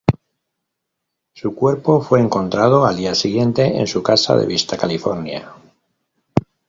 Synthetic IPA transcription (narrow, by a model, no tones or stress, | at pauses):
sukwe̞ɾpo̞fwe̞ːŋko̞nt̪ɾað̞o̞ald̪iasiɣje̞nt̪e̞ḛnsukasa̰ðḛβist̪akalifoɾnja̰